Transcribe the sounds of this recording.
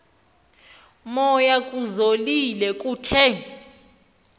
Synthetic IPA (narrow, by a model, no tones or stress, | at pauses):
mɔjakʼuzolilɛkʼuːtʰɛ